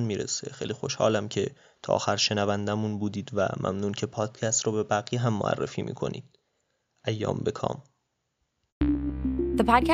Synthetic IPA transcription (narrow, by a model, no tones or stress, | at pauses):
nmiːɾḛse̞̰xejliːxo̞ʃhɒ̰ːlæmcʰe̞ | t̪ʰɒ̰ːʔːxæɾʃe̞nævænd̪æmunbuːd̪iːd̪væ̰mʔæ̰mnuːncʰe̞pʰɒːd̪̥cʰæst̪ɾɔːbe̞bæɣiːɦæmːo̰æ̰rːḛfiːmḭːkʰo̞̰nḭːd̪̥̚ | ʔæjːɒ̰ːmbekʰɒ̰ːm | ðepʰɑːd̪̚kʲæ